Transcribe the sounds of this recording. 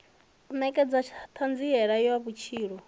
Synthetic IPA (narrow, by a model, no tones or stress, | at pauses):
nɛkʼɛd͡zat͡ʃʰat̪ʰand͡ziɛɺajɔwaβut͡ʃʰiːɺɔ